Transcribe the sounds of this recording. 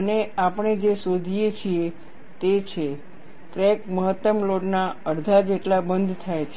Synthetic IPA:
əneapəɳ̃ed͡ʒesod̪ʱijet͡ʃʰie | t̪et͡ʃʰe | t̪ɾekməɦət̪ːəmloɖnaəɾd̪ʱad͡ʒeʈlabənd̪ʱt̪ʰajt͡ʃʰ

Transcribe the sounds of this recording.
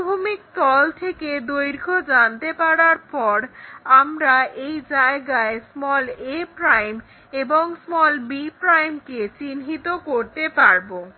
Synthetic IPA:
bʱumik̚t̪ɔlt̪ʰeked̪ojɾkʰod͡ʑant̪epaɽaɾpɔɾamɾaʔejd͡ʑaeɡaesmɔlepɾajm | eboŋsmɔlbipɾajmket͡ɕinɦit̪okoɾt̪epaɾbo

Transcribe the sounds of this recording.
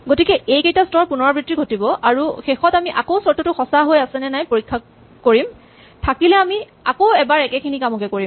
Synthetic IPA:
ɡotikɛejkejtastɔɹpunɔɹabɹitɹiɡʱotibɔʔaɹuxexɔtamiʔakosɔɹtɔtʊxɔsaɦojasɛnɛnajpoɹikʰːa | koɹim | tʰakilɛami | akowɛbaɹɛkɛkʰinikamɔkɛkoɹim

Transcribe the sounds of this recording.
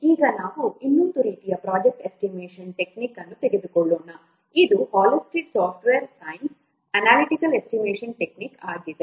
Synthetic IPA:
iːɡɐnaːʋuinːund̪uɾiːt̪ijɐpɾaːd͡ʒek̚ʈesʈimeːʂɐnʈe̞kniːkɐnːut̪eɡed̪ukɔɭːoːnɐ | id̪uhaːlosʈiɖsaːpʈʋeːɾsɐjns | ɐnaːliʈikɐle̞sʈimeːʂɐnʈekniːkaːɡid̪e

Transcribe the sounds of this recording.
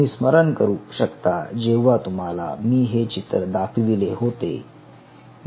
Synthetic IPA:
iːsməɾənkəɾuːɕəkt̪ad͡ʑeʋat̪um̤ala̰miːɦet͡ɕit̪ɾəd̪akʰʋileɦot̪ḛ

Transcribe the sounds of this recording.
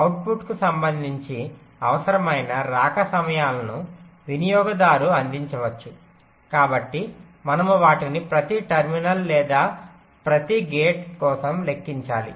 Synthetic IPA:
ɐwʈ̚buʈkusɐmbɐnd̪ʱiɲt͡ʃi | ɐʋɐsɐɾɐmɐjnɐɾaːkɐsɐmɐjaːlɐnuʋinijɔːɡɐd̪aːɾuɐnd̪iɲt͡ʃɐʋɐt͡ʃːu | kaːbɐʈːi | mɐnɐmuʋaːʈinipɾɐt̪iʈɐɾminɐllɛːd̪aː | pɾɐt̪iɡeːʈkɔːsɐmle̞kːiɲt͡ʃaːlḭ

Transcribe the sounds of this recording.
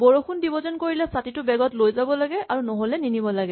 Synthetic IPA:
boɹoxʰundibɔzɔnkoɹilɛsatitʊbɛɡɔtlojzabɔlaɡɛʔaɹunɔɦolɛninibɔlaɡɛ

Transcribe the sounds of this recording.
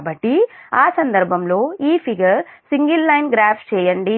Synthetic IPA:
bɐʈːiaːsɐnd̪ɐɾbʱɐmloːiːpʰiɡɐɾsiŋɡilːɐjnɡɾaːpʰt͡ʃɛːjɐɳɖi

